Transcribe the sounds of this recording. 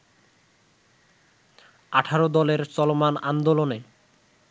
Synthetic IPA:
aʈʰaɾod̪ɔleɾt͡ɕɔlomanand̪olone

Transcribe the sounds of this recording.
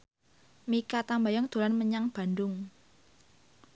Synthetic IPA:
mikat̪ambajɔŋd̪̥o̤lanməɲaŋb̥a̤nd̪ʊŋ

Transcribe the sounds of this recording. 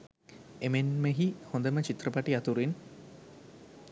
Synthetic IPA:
emenmeɦihõnd̪əmət͡ʃit̪rəpaʈiat̪uɾin

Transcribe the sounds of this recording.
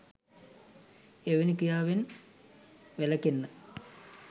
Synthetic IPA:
eʋenikijaːʋen | ʋelɐkenːə

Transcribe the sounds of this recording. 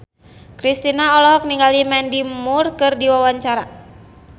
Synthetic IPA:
kɾist̪inaɔlɔɦɔk̚niŋɡalimɛndimurkɨrdiwawaɲt͡ʃaɾa

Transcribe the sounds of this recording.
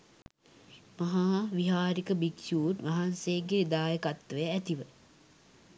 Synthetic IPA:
maɦaːʋiɦaːɾikəbiksjuːʈʋɐɦansejɡed̪aːjəkat̪ːʋejæt̪iʋə

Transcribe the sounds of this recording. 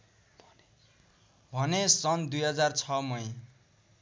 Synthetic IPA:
bʱʌnesʌnd̪ujɦʌd͡zart͡sʰʌmʌe

